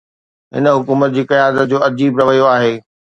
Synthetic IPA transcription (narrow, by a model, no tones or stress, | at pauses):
ɦɪ̰nə̆ɦʊkuːmət̪̚d͡ʑiːkɐjaːd̪ət̪̚d͡ʑoːɐd͡ʑiːbɾɐʋəjoaːɦeː